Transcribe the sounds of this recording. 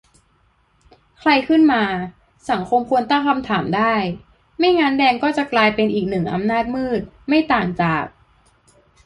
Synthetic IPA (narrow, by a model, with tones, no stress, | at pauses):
kʰla˧jkʰɯ˥˩nmaː˧ | sa˩˦ŋkʰo˧mkʰu˧ənt̪ɔ˥˩ŋkʰa˧mt̪ʰaː˩˦mdaː˥˩j | ma˥˩jŋaː˧˥ndɛː˧ŋkɔː˥˩t͡ɕa˨˩klaː˧jpe˧nʔiː˨˩k̚nɯ˨˩ŋʔa̰˧mnaː˥˩t̪̚mɯː˥˩t̪̚ | ma˥˩jt̪aː˨˩ŋt͡ɕaː˨˩k̚